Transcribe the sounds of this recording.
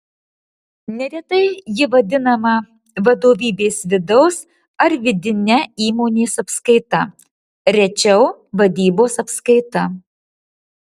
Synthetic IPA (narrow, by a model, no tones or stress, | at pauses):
nʲɛɾʲɛt̪ɐɪjɪʋɐd̪ʲɪnɐmɐ | ʋɐd̪oːʋʲiːbʲeːsʋʲɪd̪ɐʊs | ɐɾʋʲɪd̪ʲɪnʲɛiːmoːnʲeːsɐpskɐɪt̪ɐ | ɾʲɛt͡ʃʲɛʊʋɐd̪ʲiːboːsɐpskɐɪt̪ɐ